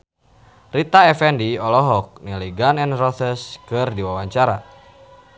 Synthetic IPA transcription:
rit̪aɛfɛndiɔlɔɦɔk̚niliɡanɛnrɔθəskɨrdiwawaɲt͡ʃaɾa

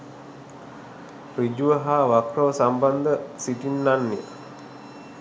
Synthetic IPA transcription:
pɾid͡ʒuʋəɦaːʋakrəʋəsamband̪əsiʈinːanːijə̰

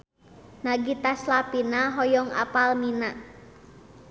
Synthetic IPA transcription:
naɡit̪aslapinaɦɔjɔŋa̰palminaʔ

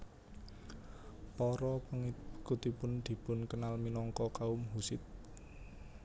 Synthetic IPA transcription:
pɔɾɔpəŋikut̪ipʊnd̪̥i̤pʊnkənalminɔŋkɔkaʊmɦusɪt̪̚

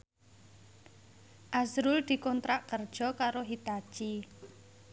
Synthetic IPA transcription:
ʔasɾʊld̪̥i̤kɔnt̪ɾaʔkərd̥ʒ̥ɔ̤kaɾoɦit̪ḁt͡ʃi

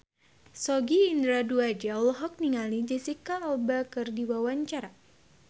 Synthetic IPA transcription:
sɔɡiːndɾaduad͡ʒalɦɔk̚niŋalid͡ʒɛsikaːlbakɨrdiwawaɲt͡ʃaɾa

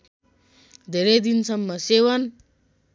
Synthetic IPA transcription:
d̪ʱeɾed̪insɐmːəsewɐn

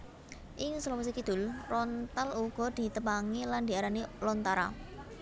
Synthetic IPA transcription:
ʔɪŋslɔwas̬ikid̪̥ʊ̤lrɔnt̪aluɡ̥ɔ̤d̪̥i̤t̪əpaŋeland̪iaɾanelɔnt̪aɾa̰

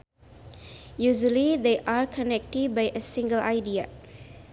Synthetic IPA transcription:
juʒəlid̪eʔakʰɔnɛk̚tɪd̚bajʔəsĩŋɡəla̰ɪdia̰

